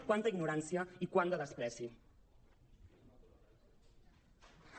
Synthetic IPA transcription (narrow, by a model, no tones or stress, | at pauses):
kwant̪əiɡnuɾansiəikwand̪əðəspɾɛsi